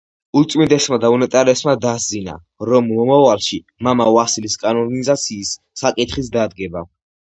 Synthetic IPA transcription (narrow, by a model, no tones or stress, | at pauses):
ut̪sʼmind̪ɛsmad̪aunɛt̪ʼaɾɛsmad̪azina̰ | ɾɔmːɔmavalʃi | mamaasiliskʼanɔɾnizat̪sʰiːsː | akʼit̪ʰχis̬d̪ad̪ɡɛba